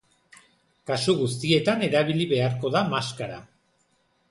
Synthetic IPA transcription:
kasuɣust̪ie̞t̪ane̞ɾaβ̞iliβe̞aɾko̞ðamaskaɾa̰

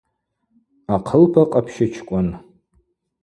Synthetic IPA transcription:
aqʰəlpʰaqʼapʰʃɪt͡ʃʰkʷʼʊn

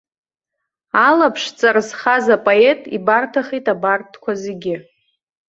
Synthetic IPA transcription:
alapʰʂt͡sʼarzχazapʼoe̞tʼḭbartʰaχijtʼabartʰkʷazeɡʲɪ

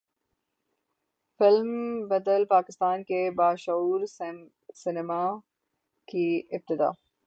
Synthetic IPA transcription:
fɪlmbɐd̪əlpaːkɪst̪aːnkebaːʃɐuːɾ | sɪnɪma | kiɪb̚t̪ɪd̪a̰ː

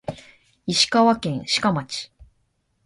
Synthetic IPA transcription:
iɕi̥kaβakẽ̞ɰ̃ɕi̥kamat͡ɕi̥

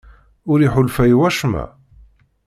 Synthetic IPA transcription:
ʊɾiħʊlfæjwæʃmæ̰

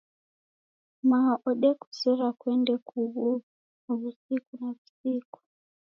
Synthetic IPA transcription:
maʔɔɗɛku̥sɛɾakwɛndɛkuβu | βusikunaβusiku̥

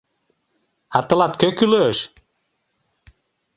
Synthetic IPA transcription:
ɑt̪ɤ̆lɑt̪̚køkyløʃ

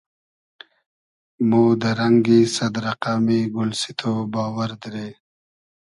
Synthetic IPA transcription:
muːd̪əɾaŋɡisɐd̪ɾaqaːmiɡʊlsit̪ʰobaːwəɾd̪ɾe

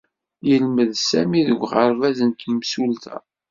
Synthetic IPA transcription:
jəlməðsæmiðəɡʷʁəɾvæzənt̪msult̪æ̰

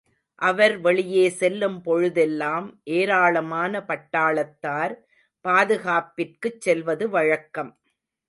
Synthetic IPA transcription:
ʔɐʋɐɾʋɐɭɪjeːsɛlːɯmpɔɻɯðɛlːaːmʔeːɾaːɭɐmaːnɐpɐʈːaːɭɐt̪ːaːɾ | paːðɯɣaːpɪrkɯt͡ʃːɛlʋɐðɯʋɐɻɐkːɐm

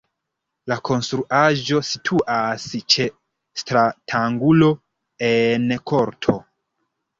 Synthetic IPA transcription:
lakʰo̞nstɾuʔaʒo̞sitʰuʔast͡ʃe̞ | stɾatʰaŋɡulo̞ | enkʰo̞ɾtʰo̞

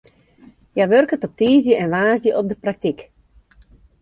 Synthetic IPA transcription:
jaʋørkətɔp̚tiːzjəʔɛnʋaːzjəʔɔp̚dəprak̚tik

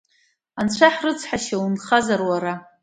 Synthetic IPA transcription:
ant͡ɕʷʰaħrɨt͡sʷʰħaʃawunχazarwaɾa

